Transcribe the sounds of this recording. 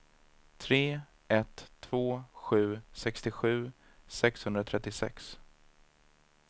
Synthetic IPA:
t̪ʰɾeː | ɛt̪ʰːv̥oːɧʉ̟ːsɛkst̪ɪɧʉ̟ː | sɛkshɵnd̪ɾat̪ʰɾɛt̪ːɪsɛ̰ks

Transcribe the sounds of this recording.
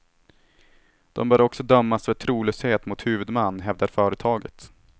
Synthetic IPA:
d̪̥ɔmbœːɾɔksɔd̪œmːasvət̪ʰɾuːløːsheːt̪mʊt̪hʉ̟ːvɵd̪manːɦɛvd̪aɾfœːɾət̪ʰɑːɡət̪

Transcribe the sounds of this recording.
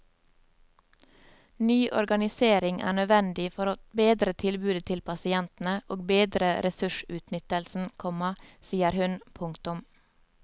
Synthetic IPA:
nyːʔɔ̰ɾɡɑnɪseːɾɪŋʔæ̰ːɳœʋɛnd̪ɪfɔɾoːbeːd̪ɾət̪ʰɪlbʉːd̪ət̪ʰɪlpʰɑsɪɛnt̪n̩əʔoːɡbeːd̪ɾəɾɛsʉʃʉːt̪nʏt̪əlsn̩kʰɔməsiːəɾhʉnpʰʊŋkt̪ʊm

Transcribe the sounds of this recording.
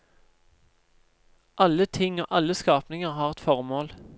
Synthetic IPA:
ʔɑlːət̪ʰɪŋːoːʔɑlːəskɑːpnɪŋəʁhɑːʁɛt̪fɔʁmoːl

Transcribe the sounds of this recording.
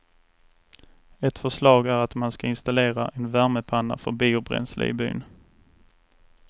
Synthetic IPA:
ɛt̪fœʂlɑːɡæɾat̪manskaɪnst̪aleːɾaʔɛnvæɾməpʰanːa̰fœɾbiːʊbɾɛ̰nslə̰ɪby̰ːn

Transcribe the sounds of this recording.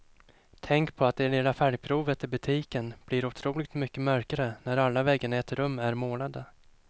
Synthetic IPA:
t̪ʰɛŋkpʰɔat̪̚d̪ɛneːlafæːɖɪɡ̚pʰɾuːvət̪ɪlbɵt̪ʰiːkənb̥lɪɾʊt̪ʰɾuːlɪɡt̪mʏkːəmœɾkaɾənæɾalːavɛɡːənɪɛt̪ɾɵmːæɾmoːnad̪ə

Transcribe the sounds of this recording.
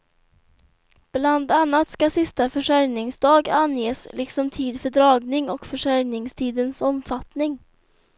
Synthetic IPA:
b̥land̪anːat̪skasɪst̪afœʂæɾjnɪŋsd̪ɑːɡanjeːslʔɪksɔmt̪ʰiːd̪fœɖɾɑːɡnɪŋɔkfœʂæɾnɪŋst̪ʰiːd̪ənsɔmfat̪nɪŋ

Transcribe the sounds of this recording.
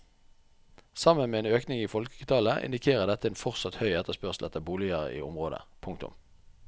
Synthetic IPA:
sɑmənmeːeːnøːknɪŋiːfɔlkkət̪ʰɑːləʔɪ̰nd̪ɪkʰeːʁəd̪ɛt̪əeːnfɔʁsɑt̪hœʏɛt̪əspœʁslʔɛt̪ːəbuːlɪəʁə̰ḭːʊ̰mʁoːd̪ə̰pʰʊŋk̚t̪ʊ̰m

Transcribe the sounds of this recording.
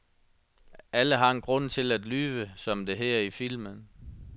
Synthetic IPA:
æləɦɑ̈enɡ̥ʁɔ̽n̰t͡sʰe̝læd̥lyːʋəsɒ̽md̥e̝ɦæɐifil̰mən

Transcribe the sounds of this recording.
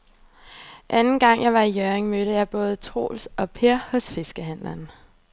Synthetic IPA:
ʔænn̩ɡ̥ɑ̈ŋ̰jʔɑ̈ɪʋɑ̈ijøʁeŋmøɾ̥əjɑ̈ɪb̥ɔ̽ːð̞̩ˠət͡sʰʁo̝̰ːlsɒ̽pʰe̝ɐ̰hɔ̽sfe̝sɡ̥əɦæn̰læn

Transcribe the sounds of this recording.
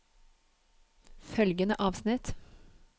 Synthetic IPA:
fœlɡənəʔɑːʋsnɪt̪

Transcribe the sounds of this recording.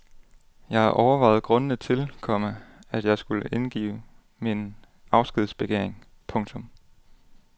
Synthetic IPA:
jɑ̈ɪhɑʔɒʊɐʋɑ̈ɪð̞̩ˠɡ̥ʁɔ̽nənət͡sʰe̝lkʰɒ̽məæd̥jɑ̈ɪsɡ̥uləʔe̝nɡ̥ḭːʊ | min | ɑ̈ʊsɡ̥ʁið̞ˠsb̥e̝ɡ̥eɐ̰eŋ | pʰɔ̽ŋt͡sʰɔ̽m

